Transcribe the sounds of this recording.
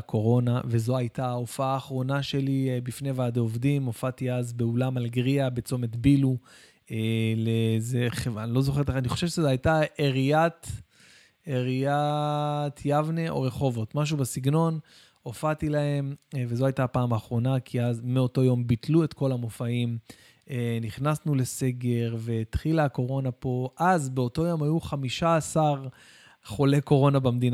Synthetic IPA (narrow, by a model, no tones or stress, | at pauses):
kʰo̞ʁo̞nave̞zo̞ajtaofaaːχʁo̞naʃe̞libifne̞vead̪eovdimo̞fatiazbe̞ulamalɡʁiabe̞t͡so̞me̞t̪bilu | elezeχevanilo̞zo̞χetleaniχo̞ʃevʃezeajtaeʁiat̪ | eʁija | t̪ʰjavneʔo̞̰ʁe̞χo̞vo̞tmaʃ̬ubesiɡno̞n | ofat̪ilahe̞mvezo̞ajtapaːmaːχʁo̞nakʰiazmeo̞to̞jo̞mbitlue̞tko̞lamo̞faim | eniχnasnule̞se̞ɡe̞ʁve̞t̪χilaːko̞ʁo̞napo̞ʔazbeo̞to̞jo̞majuχamiʃaːsaʁ | χo̞le̞ko̞ʁo̞nabamd̪ina